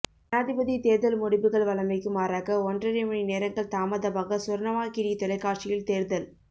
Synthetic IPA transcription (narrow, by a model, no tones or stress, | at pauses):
ɐnaːðɪbɐðit̪eːɾðɐlmʊɽɪbɯɣɐɭʋɐɭɐmɐɪkːɯmaːɾaːkɐɔndrɐɾɪmɐɳineːɾɐŋɡɐɭt̪aːmɐðɐbaːɣɐsʊɾɐnɐʋaːkiɽit̪ɔlɐɪkːaːʈt͡ʃɪjɪlt̪eːɾðɐl